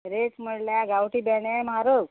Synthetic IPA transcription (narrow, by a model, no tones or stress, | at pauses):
ɾet͡sm̤əɽljaɡawʈiːbɛɳajmaɾə